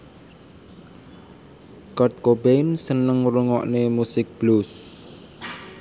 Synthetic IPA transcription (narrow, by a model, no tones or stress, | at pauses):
kɔrt̪̚kobensənəŋɾuŋɔʔnemusɪk̚b̥lus